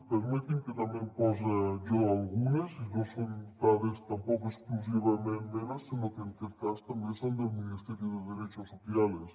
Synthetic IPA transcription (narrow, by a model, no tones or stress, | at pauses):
peɾmet̪ĩŋket̪ambjempɔzedoalɣunesinosont̪aðest̪ampokoesklus̬iβamẽnmenasinokent̪eɾk̪ast̪ambjensond̪elminist̪eɾjoðeðeɾet͡ʃosoθjales